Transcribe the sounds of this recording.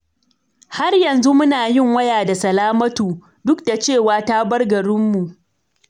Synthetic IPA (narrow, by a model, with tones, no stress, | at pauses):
ha˦rjɐ˨nzu˦mʊ˦naː˨jɪ˦˨ŋwɐ˦jaː˨da˨sɐ˨laː˦mɐ˦tuː˨ | dʊ˦kda˨t͡ʃeː˦˨waː˨ta˦bɐ˦rɡɐ˨ɽʊ˦mːu˨ʔ